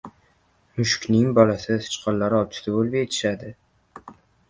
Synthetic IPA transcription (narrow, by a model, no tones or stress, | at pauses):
mʊʃkʲnɪŋbɒlassʰɪ̥t͡ʃqʰɒllːaɾɒt͡ʃʰɪ̥t̪aolbʲet̪ʰɪ̥ʃad̪ɪ